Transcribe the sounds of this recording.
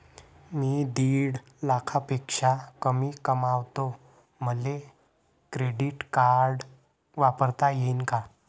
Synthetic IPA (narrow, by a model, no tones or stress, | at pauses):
miːd̪iːɽ | lakʰapekʂakəmiːkəmaʋt̪o | məle | kɾeɽiʈkaɾɖ | ʋapəɾt̪ajeinka